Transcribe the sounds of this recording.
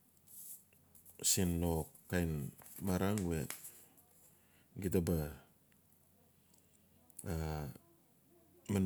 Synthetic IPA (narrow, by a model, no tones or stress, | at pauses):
sinːokː | ajnmaɾaŋuwḛt̚ | ɡitaba | a | man